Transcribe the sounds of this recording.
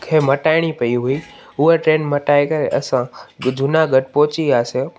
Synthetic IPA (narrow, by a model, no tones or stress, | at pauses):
kʰeːmɐʈaːɪɽ̃ipɐiɦui | ʊɦeʈɾeːnmɐʈaːekɐɾeʔɐsãd͡ʑʱʊnaɡʱɐʈpɔɦʊt͡ɕiaːseo